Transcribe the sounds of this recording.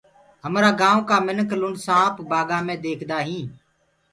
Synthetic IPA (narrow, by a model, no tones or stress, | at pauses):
ɦəmɾaːɡãːõːkaːmɪnəklʊɳɖsãːpʰbaːɡãːmẽːd̪eːkʰd̪aːɦĩː